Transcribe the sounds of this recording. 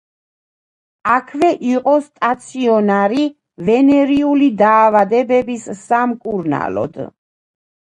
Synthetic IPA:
akʰvɛʔiqʼɔst̪ʼat̪sʰiɔnaɾi | vɛnɛɾiulid̪aːvad̪ɛbɛbissamkʼuɾna̰lɔ̰d̪̥

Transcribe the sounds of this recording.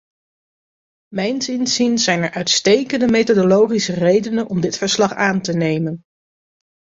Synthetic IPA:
mɛjnzɪnzinzɛjnɛɹʔœɥtstejkəndəmejtodolowχisərejdənənɔmdɪtfəɹslɑχaːntənejmən

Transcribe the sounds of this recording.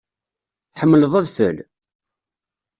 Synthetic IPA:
θħəmːələðˤæðfə̰l

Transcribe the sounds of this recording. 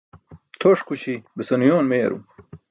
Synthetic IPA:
t̪ʰoʂkut͡ɕibesɐnjoːnmeːɾṵ

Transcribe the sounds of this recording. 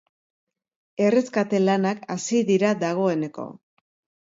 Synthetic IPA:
e̞re̞skat̪e̞lanakasiðiɾad̪aɣ̞o̞e̞ne̞ko̞̰

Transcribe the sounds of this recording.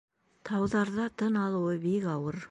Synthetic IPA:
t̪ʰɑwðɑɾd̪ɑt̪ʰənɑlˠuwəbekɑwəɾ

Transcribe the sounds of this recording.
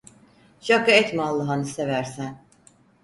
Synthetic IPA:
ʃakaɛt̪malˠːɯɦanɯsevæɾsæn

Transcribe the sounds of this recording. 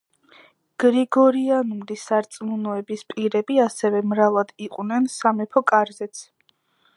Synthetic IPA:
ɡ̥ɾiɡɔɾianumd̪isaɾt̪sʼmunɔɛbispʼiɾɛbiasɛvɛmɾalad̪iqʼwnɛnsamɛpʰɔkʼaɾzɛt̪sʰ

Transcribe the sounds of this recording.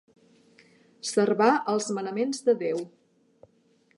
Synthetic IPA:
sərβaʔəlˠzmənəmenzðəðew

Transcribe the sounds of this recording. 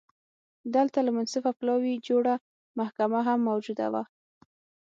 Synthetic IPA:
d̪əlt̪alamansɪfaplɑwid͡ʒoɽa | mahkamaɦamːawd͡ʒud̪a̰wa̰

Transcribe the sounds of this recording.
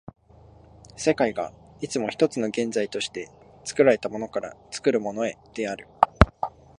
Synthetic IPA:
se̞kaiɡa̰it͡sɨmo̞çi̥t̪o̞t͡sɨno̞ɡẽ̞nd͡zait̪o̞ɕi̥t̪e̞ | t͡sɨ̥kɯ̟ɾaɾe̞t̪amo̞no̞kaɾa̰t͡sɨ̥kɯ̟ɾɯ̟mo̞no̞e̞d̪̥e̞aɾɯ̟

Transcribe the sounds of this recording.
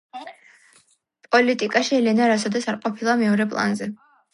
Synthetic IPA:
pʼɔlit̪ʼikʼaʃiɛlɛnaɾasɔd̪ɛsaɾqʼɔpʰilˠamɛɔɾɛpʼlˠa̰nzɛ

